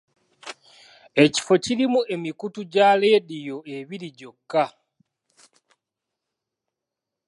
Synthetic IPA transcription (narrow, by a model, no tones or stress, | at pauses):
e̞ci̥fo̞ciɾimue̞mikutuɟaledijo̞eβiɾiɟo̞kːa